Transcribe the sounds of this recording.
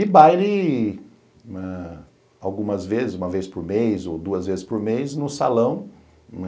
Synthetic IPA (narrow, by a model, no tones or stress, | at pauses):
ɪbajlɪ | ɛ | awɡũmɐzvezɪzũmɐvespʊɾmejzod̪uɐzvezɪspʊɾmejznʊsa̰lɐ̃w̃